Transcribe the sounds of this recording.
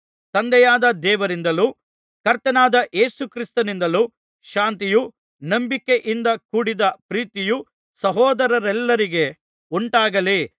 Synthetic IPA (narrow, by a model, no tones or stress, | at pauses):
t̪ɐnd̪ɛjaːd̪ɐd̪ɛːʋɐɾind̪ɐluː | kɐɾt̪ːɐnaːd̪ɐʔeːsukɾist̪ɐnind̪ɐluː | ʃaːnt̪iju | nɐmbike̞ʔind̪ɐkuːɽid̪ɐpɾiːt̪iju | sɐɦɔːd̪ɐɾɐɾɛlːɐɾiɡe̞ | uɳʈaːɡɐli